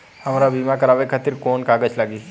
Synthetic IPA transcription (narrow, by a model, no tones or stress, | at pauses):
həmaɾabimakəɾaːʋekʰat̪iɾkoːnkaːɡət͡ʃlaːɡi